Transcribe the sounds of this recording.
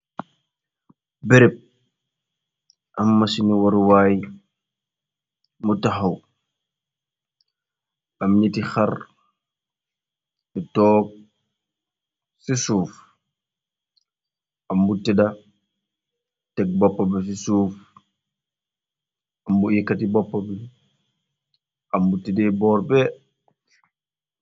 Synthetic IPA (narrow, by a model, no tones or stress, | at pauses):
bɛɾɛp̚ | ʔamːasiniwaɾwaːj | mutaɦaw | amɲitixaɾ | nɛtɔːk̚ | sisuːf | amːutɛda | tɛk̚bɔpːabɛs̬isuːf | ʔamːuikːatibɔpːabɛ | ʔamːutidɛbɔːɾbɛ